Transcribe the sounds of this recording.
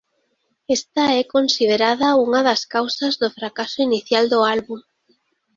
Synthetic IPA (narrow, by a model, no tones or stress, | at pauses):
est̪aɛkonsið̞eɾaðauŋaðɐskawsazðʊfɾakasʊiniθjald̪ʊalβuŋ